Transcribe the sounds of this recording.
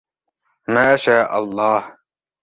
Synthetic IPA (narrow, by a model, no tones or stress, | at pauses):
maːʃaːʔɑ̰lˤːɑːh